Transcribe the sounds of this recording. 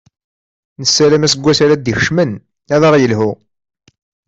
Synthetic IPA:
nəsːælæmæsəɡʷːæsæɾæd̪içʃmən | æðˤəʁjəlhu

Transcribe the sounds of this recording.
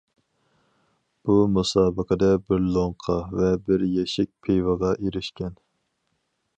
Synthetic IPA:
b̥umusɑːbəqʰəd̪ɛbɪɾlˠoŋqʰɑvɛbɪɾjɛʃɛk̚ʲpʰejvəʁɑʔeɾɪʃkʲɛn

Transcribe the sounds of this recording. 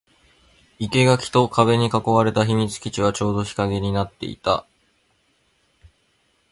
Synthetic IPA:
ike̞ɡakʲi̥t̪o̞kʰaβe̞ɲ̟ikako̞βaɾe̞t̪açimʲit͡sɨ̥kʲit͡ɕiβ̞at͡ɕo̞ːd̪o̞çi̥kaɡe̞ɲ̟inat̪ːe̞̰ḭt̪a̰

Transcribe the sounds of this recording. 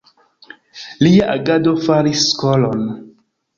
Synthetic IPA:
liaʔaɡadofaɾisːkɔlon

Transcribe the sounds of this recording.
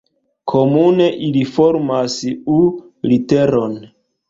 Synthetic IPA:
kʰomune̞ʔilifoɾmasu | liteɾon

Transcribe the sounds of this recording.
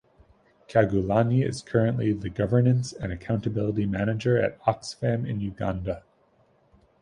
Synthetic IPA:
kʰæɡulɑniɪ̰z̥kʰɜ˞ɨ̃nʔliðɨɡʌvə˞nɨ̃nsɨ̃nɨkʰãʊ̃ntɨbɪlˠəɾimænɨd͡ʒə˞ɨ̰ɾɑksfæ̃mɨ̰̃njʉɡɑ̃ndə

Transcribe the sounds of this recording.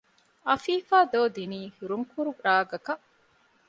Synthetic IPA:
ɐfiːfaːd̪oːd̪iniːhuɾuŋkuɾuɾaːɡɐkɐʔ

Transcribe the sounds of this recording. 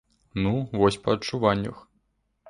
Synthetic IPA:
nuvɔsʲpɐɐtt͡ʂuvanʲːə̰x

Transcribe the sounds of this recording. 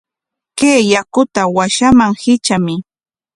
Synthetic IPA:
keːjakʊt̪awaʃamaŋhɪt͡ʃamɪ

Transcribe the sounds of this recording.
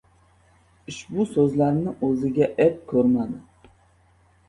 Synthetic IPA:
ɪʃbʊsɵzlaɾnɪʔɵzɪɡʲaʔep̚kʲʰɵɾmad̪ɪ

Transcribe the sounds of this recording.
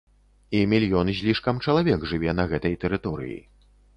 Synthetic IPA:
imʲilʲjɔnɨzʲlʲiʂkɐmt͡ʂɐlˠavʲɛkʐɨvʲɛnɐɣɛt̪ɐjt̪ɛɾɨt̪ɔɾɨ̰jḭ

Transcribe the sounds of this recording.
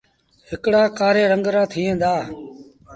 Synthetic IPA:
hɪkɽaːkaːɾeːɾəŋɡɾãːt̪ʰiːẽːnd̪aː

